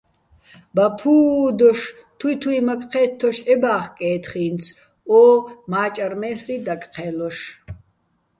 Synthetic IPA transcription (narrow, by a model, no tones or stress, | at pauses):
bapʰuːd̪ɔʃ | t̪ʰwuit̪ʰuimakʼqʰɛːt̪ʰːɔʃɛbaːχkʼɛːt̪ʰχiːnt͡sʰ | ɔmaːt͡ʃʼarmɛːɬrid̪akʼqʰɛlɔʃ